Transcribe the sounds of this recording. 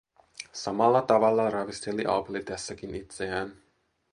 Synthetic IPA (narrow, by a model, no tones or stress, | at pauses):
sɑmɑlːɑt̪ɑʋɑlːɑrɑʋist̪eliʔɑ̰pelit̪æsːækinit̪seæːn